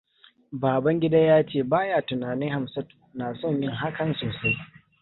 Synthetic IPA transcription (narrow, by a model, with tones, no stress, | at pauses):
baː˨bɐ˦ŋɡʲɪ˦da˦jaː˦t͡ʃeː˦˨baː˦jaː˦tʊ˨naː˨nɪ˦ŋha˨msɐ˦tu̥˨naː˨sɔ˦˨ɲjɪ˦˨ŋɦa˦kɐ˨nsoː˨sa˦j